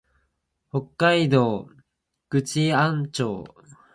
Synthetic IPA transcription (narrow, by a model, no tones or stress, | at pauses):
hokːaid̪o̞ː | ɡ̥ɯ̟t͡ɕiãnt͡ɕo̰ː